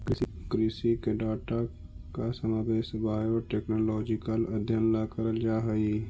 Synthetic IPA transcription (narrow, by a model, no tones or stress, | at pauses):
kɪkɾɪsikeɖaːʈakasəmaːbeːʃbaːjoʈeːknolɔːd͡ʒɪkələd̪ʱjənlakəɾəld͡ʒaːɦəi